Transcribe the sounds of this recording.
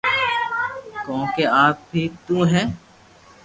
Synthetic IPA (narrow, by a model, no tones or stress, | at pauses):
kɔ̃ːkeaːp̚bʱiːt̪ũːɦɛ̃ː